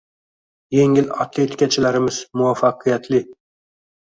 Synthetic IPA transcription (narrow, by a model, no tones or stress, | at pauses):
je̞ŋɪlat̪ʰlˠet̪ʰɪ̥kʲʰat͡ʃʰɪlaɾɪmɪz̥mʊwafːɑqʰɨjat̪ʰlɪ